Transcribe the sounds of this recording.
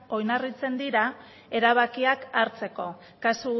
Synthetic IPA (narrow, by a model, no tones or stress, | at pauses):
o̞jnarit͡se̞nd̪iɾa | e̞ɾaβ̞akiakaɾt͡se̞ko̞ | kasu